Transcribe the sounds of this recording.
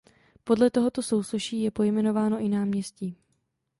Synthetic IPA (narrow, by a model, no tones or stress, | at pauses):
po̞dlɛt̪o̞ɦo̞t̪o̞so̞wsoʃiːjɛpo̞jmɛno̞vaːno̞ʔɪnaːmɲɛsciː